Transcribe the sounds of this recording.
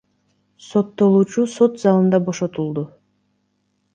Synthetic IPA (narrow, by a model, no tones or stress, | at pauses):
so̞t̪ːo̞lˠuːt͡ʃuso̞t̪zɑlˠɯnd̪ɑbo̞ʃo̞t̪ulˠd̪u